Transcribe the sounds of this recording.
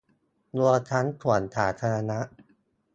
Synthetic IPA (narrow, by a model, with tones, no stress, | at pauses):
lu˧ɐt͡ɕʰa˦˥nt̪ʰu˨˩˦ə˦nt̪ʰaː˩˦t̪ʰaː˧ɾa˧na˦˥ʔ